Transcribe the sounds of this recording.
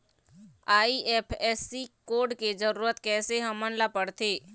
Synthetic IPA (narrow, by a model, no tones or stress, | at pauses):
aːiʔɛːpʰɛːsikoːɾɖked͡ʒəɾuːɾət̪kɛːseɦəmənlapəɽt̪ʰeː